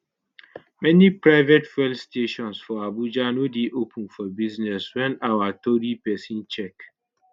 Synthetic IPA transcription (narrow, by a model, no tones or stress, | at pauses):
mɛnipɹaɪvetfɛlstʰeʃɔ̃nsfɔabud͡ʒanudeʔopʰũnfɔbiznɛswɛ̃nawatoɾipɛsĩnt͡ʃɛk